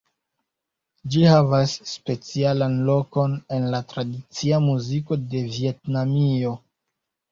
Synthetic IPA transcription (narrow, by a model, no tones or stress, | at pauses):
d͡ʒihavasːpe̞t͡sialanlo̞ko̞ne̞nlatɾadit͡siamuziko̞de̞vie̞tnamio̞